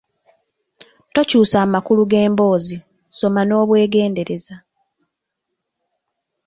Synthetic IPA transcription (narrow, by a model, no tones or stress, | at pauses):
to̞cuːsaːmakuluɡe̞ːmbo̞ːzi | so̞mano̞ːβwe̞ːɡe̞ːnde̞ɾe̞za